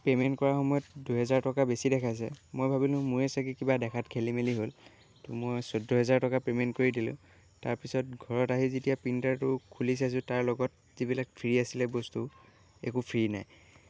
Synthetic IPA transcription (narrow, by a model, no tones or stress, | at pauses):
pementkɔɹaxɔmɔjɔtduɦɛzaɹtɔkabesidɛkʰajs̬ɛ̰mojbʱabilʊ̃muɹɛsak̬ikibadɛkʰatkʰelimeliɦol | tʊmojsɔdʱɔɦɛzaɹtɔkapementkoɹidilʊ̰̃ | taɹpisɔt̚ɡʱɔɹɔtaɦizetijapintaɹtʊkʰulis̬as̬ʊ̃taɹlɔɡɔt̚ | zibilakpʰiɹiasilɛbɔstu | ḛkupʰiɹina̰j